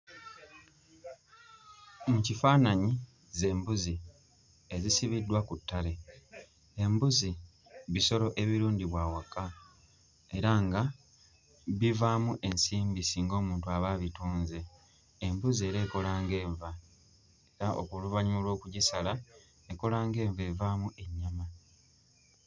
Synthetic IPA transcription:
mucifaːnaɲi | ze̞ːmbuzi | e̞zisiβidːwakutːale̞ | embuzi | βiso̞lo̞ʔe̞βiɾuːndiβwaːwaka | e̞ɾaŋɡa | βivaːmuʔe̞nsiːmbisiːŋɡo̞ːmuːntuaβaːβituːnzeː | mbuzie̞ːɾe̞ːko̞laːŋɡe̞ːɱva | e̞ɾaʔo̞̰kuluβaɲuːlwo̞ːkuɟisala | eko̞laːŋɡe̞ːɱve̞vaːmuʔe̞ɲːama

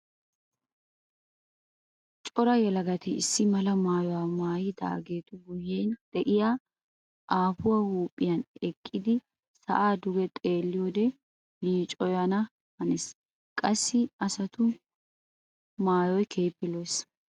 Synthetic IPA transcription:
t͡ʃʼɔɾɐjɛlɐɡɐt̪ɪːsːɪmɐlɐmaːjɔwaːmaːjɪd̪a̰ːɡe̞ːt̪ʊɡʊjeːnd̪̥ɛʔɪjaː | ʔaːfʊwahuːpʼːɪjɐnɛkʼːɪd̪ɪ | sɐ̰ʔaːd̪ʊɡɛt̪ʼe̞ːlːɪjoːd̪ɛ | liːt͡ʃʼɔjɐnɐ | hɐnes | kʼɐsːɪɐsɐt̪ʊ | maːjɔjkʰe̞ːpːɪlɔjs

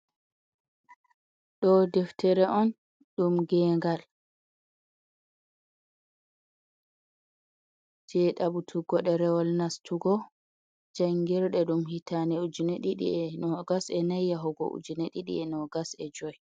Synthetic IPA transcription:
ɗɔdɛftʰɛɾɛʔɔn | ɗumɡɛːŋɡal | d͡ʒɛɗabutʰuɡɔɗɛɾɛwɔlnastuɡɔ | d͡ʒaŋɡiɾɗɛɗumhitʰanɛud͡ʒuneɗiɗḭɛnɔɡasɛnajːaɦɔɡɔ̰ʔṵd͡ʒuneɗiɗḭɛnɔɡasɛd͡ʒɔj

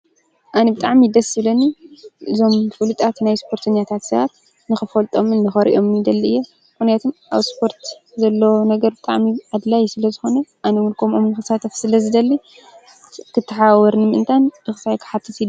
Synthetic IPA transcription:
ʔanibɨt̪ʼaʕmid̪ɐsɨβlɐniʔɨzo̞mfɨlut̪ʼat̪najspʰo̞ɾt̪ʰɐɲːat̪ʰat̪sɐβat̪ | nɨxɨfɐlt̪ʼo̞mɨnːɨxɐɾḭʔo̞mnid̪ɐlːiɨjːo | kunjat̪ʰomʔaβspʰo̞ɾt̪ | zɐlːonɐɡɐɾbɨt̪ʼaʕmiʕad̪lajsɨlɐzɨxo̞nɐʔanɐwɨlkʰʼomomnɨxɨsat̪ʰɐfsɨlɐzɨd̪ɐlːi | kʰɨt̪ʰːɐħawɐɾnɨmɨʔɨnt̪ʰanbɨxɨsajkʰɨ̥ħat̪ʰːɨsi

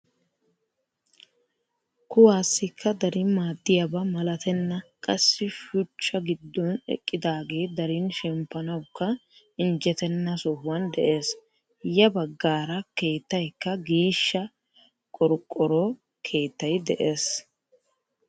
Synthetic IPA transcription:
kʊwaːsːɪkʰːɐd̪ɐɾɪmaːd̪ːɪjɐbɐmɐlɐt̪ɛnːɐkʼɐsːɪʃʊt͡ʃːɐɡɪd̪ːɔnɛ̰kʼːɪd̪aːɡe̞ːd̪ɐɾɪnʃɛmpːɐnɐwkːɐ | ɪnd͡ʒɛt̪ɛnːɐsɔhʊwɐnd̪ɛʔe̞ːs | jɐbɐɡːaːɾɐke̞ːt̪ːɐjkːɐɡiːʃːɐ | kʼɔɾkʼːɔɾɔ | kʰe̞ːt̪ːɐjd̪ɛʔe̞ːs

